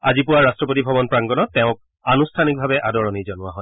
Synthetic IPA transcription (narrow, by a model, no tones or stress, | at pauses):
azipʊwaɹastɹɔpotibʱɔbɔnpɹaŋɡɔnɔtːɛʊ̃k̚ | anustʰanik̚bʱabɛʔadɔɹɔnizɔnʊwaɦɔj